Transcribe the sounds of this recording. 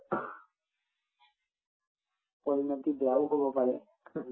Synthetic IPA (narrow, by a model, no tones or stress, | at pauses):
poɹinɔt̪ibeaʊɦobɔpaɹɛ